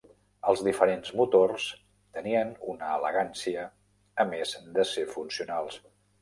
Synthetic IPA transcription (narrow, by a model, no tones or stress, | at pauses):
əlˠzðifəɾenzmut̪ors | t̪əniənunəːlə̰ɣansiəː | mezd̪əsefunsiunalˠs